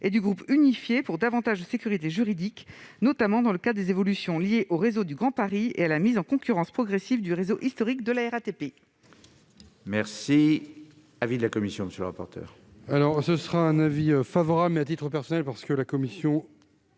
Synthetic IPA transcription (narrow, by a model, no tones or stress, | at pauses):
ed̪yɡʁupynifjepuʁd̪avɑ̃t̪aʒd̪əsekʲyʁit̪eʒyʁid̪iknɔt̪amɑ̃d̪ɑ̃ləkad̪d̪ezevɔlysjɔ̃ljeʔoʁezod̪yɡʁɑ̃paʁiḛalamizɑ̃kɔ̃kʲyʁɑ̃spχɔɡʁesivd̪yʁezoʔist̪ɔʁikd̪əlaɛʁat̪epe | mɛʁsi | avid̪əlakɔmisjɔ̃məsjələʁa̰pɔ̰ʁt̪œ̰ːʁ | alɔʁsəsχaɛ̃naviøfavɔʁablat̪̬it̪χəpɛʁsɔnɛlpaʁsə̥kəlakɔmisjɔ̃